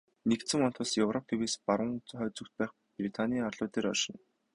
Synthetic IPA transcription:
nekt̪sɘ̆ŋɔnt̪ʰʊːsjɵwrɔp̚t̪ʰeweːspaɾə̆ŋχœːt͡sɵ̆kt̪̚pæːχ | prit̪ʰanʲiːarɮʊːt̪eːɾɔrʃɪ̆n

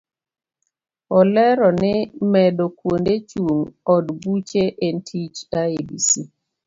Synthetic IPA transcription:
ɔlɛɾɔnɪmɛdokwondet͡ʃuŋɔdbut͡ʃeʔentʰit͡ʃaebḭsi

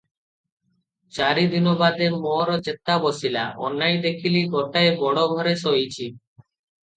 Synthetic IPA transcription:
t͡ɕaɾid̪inobad̪eɾmɔɾod͡ʑet̪ːabosila̰ʔɔ̰nːajd̪ekʰiliɡoʈaebɔɽobʱɔɾesojt͡ɕʰi

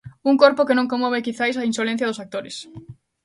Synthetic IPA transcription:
uŋkoɾpokenõŋkomoβ̞ekiθajsainsolẽn̟θjɐðosak̚t̪oɾes

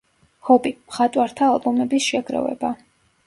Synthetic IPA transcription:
hɔbimχat̪ʼwaɾt̪ʰaːlˠbɔmɛbisʃɛɡɾɔ̰vɛ̰ba

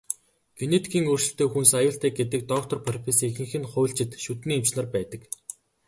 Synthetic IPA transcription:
ɡ̥enet̪ʰɡʲiːŋɵrʃɪ̆ɬt̪eːxunsajʊːɬt̪æːɡet̪̬ɘ̆k̚t̪ɔk̚t̪ɔ̆rpʰerpʰesexɘ̆ŋxɘ̆nχʊjɬt͡ɕɪ̆t̪ʃut̪niːemt͡ɕnə̆rpæːt̪ə̆k

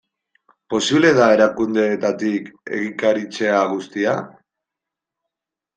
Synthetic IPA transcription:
po̞siβle̞ðae̞ɾakund̪e̞ːt̪at̪ike̞̰ɣikaɾit͡se̞aɣust̪ia

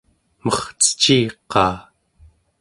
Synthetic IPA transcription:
mʌχt͡sə̥t͡ʃiːqɑ̰ː

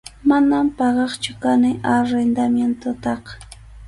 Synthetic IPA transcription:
manampɑɢɑχt͡ʃʊkanɪʔaɾend̪amjent̪ʊt̪ɑq

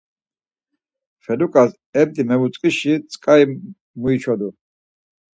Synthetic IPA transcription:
fɛd̪ukʼas | ɛbd̪ʼimɛvut͡s̪sʼqʼiʃit͡sʼkʼai | muit͡ʃʰwad̪u

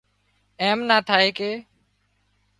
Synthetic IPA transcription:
eːmnaːt̪ʰaːeːkeː

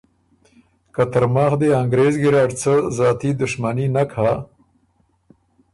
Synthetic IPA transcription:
kat̪əɾmɑːxd̪eaŋɡɾezɡɪɾɑːɖt͡səzɑːt̪id̪ʊʂmaninakʰa

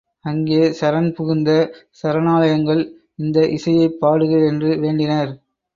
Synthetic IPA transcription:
ɐŋɡeːsɐɾɐnpʊɣɪnd̪ɐsɐɾɐnaːlɐjɐŋɡɐɭ | ɪnd̪ɐʔɪsɐjɐɪpːaːɽɯɣɯɛndrɯʋeːɳɖɪnɐɾ

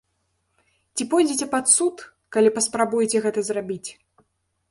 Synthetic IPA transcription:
t͡sʲipɔjd͡zʲit͡sʲɛpat̪sut̪ | kalʲipɐspɾabujt͡sʲɛɣɛt̪ɐzrabʲit͡sʲ

